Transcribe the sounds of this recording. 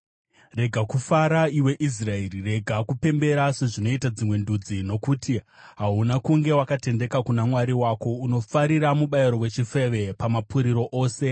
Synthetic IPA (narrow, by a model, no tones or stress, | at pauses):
re̞ɡʱakufaɾaiwe̞ʔis̬raerire̞ɡʱakupe̞mbe̞ɾase̞ʐino̞itad͡zimwe̞ndud͡zino̞kuti | ɦaɦunakuŋɡe̞wakate̞nde̞kakunamwaɾiwako̞uno̞faɾiɾamuɓaiɾo̞we̞t͡ʃife̞ʋe̞pamapuɾiɾo̞ʔoːse̞